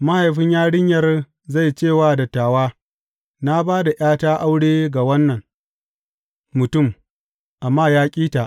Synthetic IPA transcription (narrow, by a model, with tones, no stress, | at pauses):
ma˦ha˨jɸɪ˦ɲjaː˦ɽɪ˦ɲjɐ˨r | za˦˨jt͡ʃeː˦˨waː˦dɐ˨tːaː˨waː˦ | na˦baː˦da˨j̰aː˦taː˦ʔa˦wɽeː˦ɡa˨wɐ˦nːɐ˨ŋ | mʊ˨tʊ˦˨m | ʔa˨mːaː˦jaː˦kʲʼiː˦ta˨ʔ